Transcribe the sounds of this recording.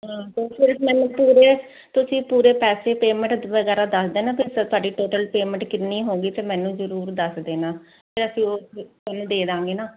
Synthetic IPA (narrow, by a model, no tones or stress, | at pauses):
ɦãːt̪oːpʰɪɾəfmɛ̃ːnũːpuːɾeeː | t̪ʊsĩːpuːɾeːpɛːseːpeːmə̃ɳʈʋəɡɛːɾaːd̪əsd̪eːnãːpʰɪɾsət̪ʊaːɖiːʈoːʈəlpeːmə̃ɳʈkɪniːɦoːɡiːt̪eːmɛ̃ːnũːzəɾuːɾd̪əsd̪eːnãː | pʰɪɾəsĩːoːssənːd̪eːd̪ãːŋɡeːnaː